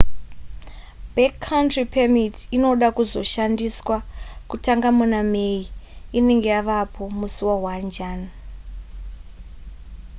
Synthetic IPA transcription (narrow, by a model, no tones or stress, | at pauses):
bekʰːauntripʰemitinoɗakuzo̞ʃandiswakutaŋɡamunameiine̞ŋɡe̞jaʋapʰo̞musuwawand͡ʒaːna